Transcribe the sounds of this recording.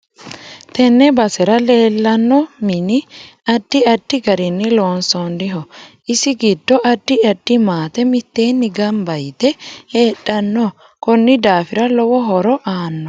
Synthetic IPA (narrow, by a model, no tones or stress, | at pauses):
t̪ɛnːɛbɐsɛɾɐle̞ːlːɐnːɔmɪnɪɐd̥ːɪɐd̥ːɪɡɐɾɪnːɪloːnsɔnd̪ɪɦɔʔɪsɪɡɪd̪ːɔʔɐd̪̥ːɪɐd̥ːɪmaːt̪ɛmɪt̪ːeːnːɪɡɐmbɐjt̪ɛheːɗːɐnːɔ | kɔnːɪd̪aːfɪɾɐlɔwɔɦɔɾɔʔaːnːɔ